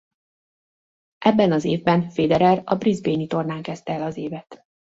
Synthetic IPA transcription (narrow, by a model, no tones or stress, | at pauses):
ʔɛbːɛnɒzeːvbɛnfeːd̪ɛɾɛrɒbrizbeːnit̪o̞rnaːŋkɛst̪ɛɛlɒzeːvɛt̪